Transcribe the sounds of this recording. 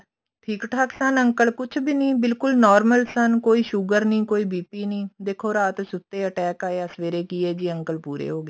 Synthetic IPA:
ʈʰiːkʈʰaksənəŋkəlkʊt͡ʃʰbiːnĩːbɪlkʊlnɔːɾməlsənkoːiːʃʊɡəɾnĩːkoːiːbiːpiːnĩːd̪eːkʰːoːɾaːt̪sʊt̪ːeːəʈɛːkaːesʋeːɾeːkiːɛːd͡ʒiːəŋkəlpuːɾḛːɦoːɡeː

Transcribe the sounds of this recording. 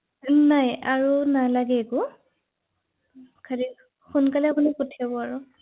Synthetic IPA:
najaɹunalaɡɛːku | kʰali | xunkalɛapunikutʰabɔaɹu

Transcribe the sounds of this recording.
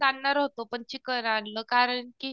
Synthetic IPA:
aɳːaɾɦot̪opəɳt͡ɕikəɾanləkaɾəɳkiː

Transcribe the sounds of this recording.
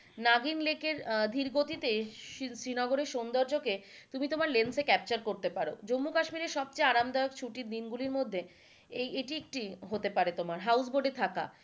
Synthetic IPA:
naɡinlekeɾd̪ʱiɾɡot̪it̪esɾinɔɡoɾeɾʃond̪oɾd͡ʑoket̪umit̪omaɾlensekɛp̚t͡ɕaɾkoɾt̪epaɾo̰d͡ʑomːukaʃmiɾeɾʃɔb̚t͡ɕeaɾamd̪ɔek̚t͡ɕʰuʈiɾd̪inɡuliɾmod̪ʱːe | ejeʈiek̚ʈiɦot̪epaɾet̪omaɾɦawsboɾɖet̪ʰaka̰

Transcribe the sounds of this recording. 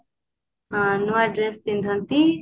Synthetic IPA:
anuaɖɾesbind̪ʱɐnt̪i

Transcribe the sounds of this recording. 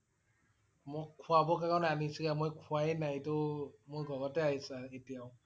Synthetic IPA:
mɔkkʰːwabɔkakananisɯkamɔjkʰwajnajtomojɡɔɡɔtɛaisaetiaw

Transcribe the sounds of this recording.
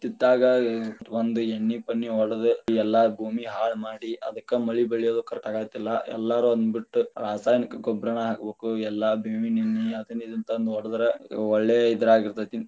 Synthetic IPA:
t̪id̪ːaːɡɐʋɐnd̪uenːipɐnːiɔɽɐd̪eɛlːɐbʱuːmiɦaːɭmaːɽiʔɐ̰d̪ɐkːemɐɭibeɭijoːd̪ukɐɾɛkːaːɡaːjt̪ilːɐɛ̰lːaːɾuɐnd̪ubiʈːuɾaːsaːjnikɐɡɔbɾɐɳɐɦakɐbeːkuɛlːɐbʱeːmininːiɐd̪ɐnːid̪ɐnt̪ɐond̪uɔɽɐd̪ɐɾeɔɭːeid̪ɐɾaːɡiɾt̪at̪in

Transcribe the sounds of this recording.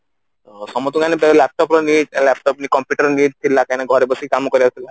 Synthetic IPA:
sɔmɔt̪ukanebɛlɛp̚ʈɔpɾɔniɖlɛp̚ʈɔpnikɔmpjuʈəɾɔniːɖ̚t̪ʰilakajnaɡʱɔɾebɔsikamɔkɔɾijat̪ʰila

